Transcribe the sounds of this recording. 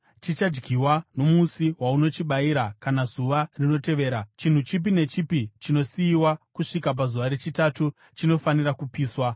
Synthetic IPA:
t͡ʃit͡ʃad͡ʒɡiwano̞musiwauno̞t͡ʃiɓaiɾakanazuʋarino̞te̞ʋe̞ːɾat͡ʃin̤ut͡ʃip̬ine̞t͡ʃipit͡ʃino̞siːwakuʂikap̬azuʋaɾet͡ʃitatu | t͡ʃino̞fanirakupiːswa

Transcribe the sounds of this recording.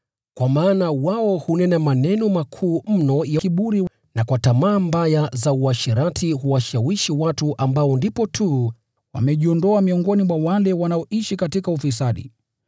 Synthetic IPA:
kwamaːnawaɔhunɛnamanɛnɔmakʰuːm̩nɔjakiɓuɾi | nakwatamaːmbajazauaʃiɾatʰihuwaʃawiʃiwatuʔambaɔndipɔtʰu | wa̰mɛʄiɔndɔamiɔŋɡɔnimwawalɛwanaɔʔiʃikatikaufis̬aɗḭ

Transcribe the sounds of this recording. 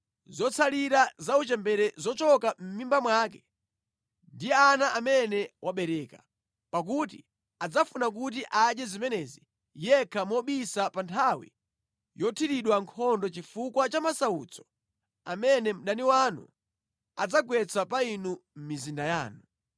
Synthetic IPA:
zɔt͡sʰaliɾazaut͡ʃɛmbɛɾɛzɔt͡ʃɔkam̩mimbamwaːk̬ɛ | ndianaʔamɛnɛwʔaɓɛɾɛka | pak̬ut̬ḭ | ad͡zafunak̬ut̬iʔad͡ʒɛzimɛnɛzi | jɛkʰamɔɓisapantʰawḭ | jɔtʰiɾiɗwaŋkʰɔndɔt͡ʃifukwat͡ʃamasaut͡sɔ̥ | a̰mɛnɛm̩ɗaniwanṵ | ad͡zaɡwɛt͡sʰapainum̩mizindaja̰ːnu

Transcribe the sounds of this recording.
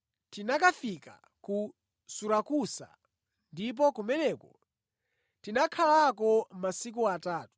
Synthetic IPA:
tinakafika̰ | ku | suɾakusa̰ | ndip̬ɔkumɛnɛkɔ | tinakʰalakɔmasik̬uataːtu̥

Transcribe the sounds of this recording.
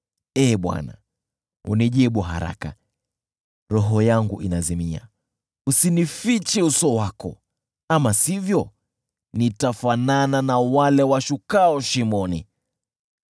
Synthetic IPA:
ɛːɓwa̰na̰ | ṵniʄiɓuɦa̰ɾa̰ka | ɾɔɦɔjaŋɡuʔinazimia̰ | usinifit͡ʃɛusɔwakɔ̰ | amasivjɔ | nitafanananawalɛwaʃukaɔʃimɔnḭ

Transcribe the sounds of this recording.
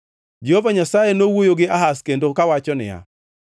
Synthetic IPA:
d͡ʒehovaɲasajenowojoɡɪaɦaskendokawat͡ʃɔnɪ̰ja̰

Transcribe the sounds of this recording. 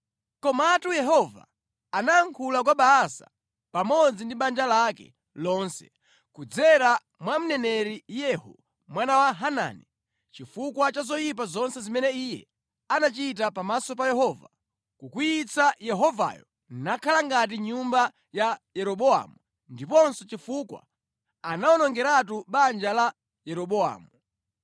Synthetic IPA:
kɔmaːtujɛɦɔva̰ | kanaːŋkʰulak̬waɓaːsa̰ | pamɔd͡zindiɓand͡ʒalakɛ̰ | lɔnsɛ̥̰ | kud͡zɛɾa | mwam̩nɛnɛɾijɛhṵ | mwanawaɦana̰ni | t͡ʃifukwat͡ʃazɔjip̬azɔnsɛzimɛnɛijɛ̰ | anat͡ʃit̬apamasɔp̬ajɛɦɔva̰ | kukujit͡sajɛɦɔva̰jɔ̰ | nakʰalaŋɡat̬iɲumba | jajɛɾɔɓɔa̰mu | ndipɔnsɔt͡ʃifukwa̰ | anawɔnɔŋɡɛɾatuɓand͡ʒala | jɛɾɔɓɔa̰ːmu

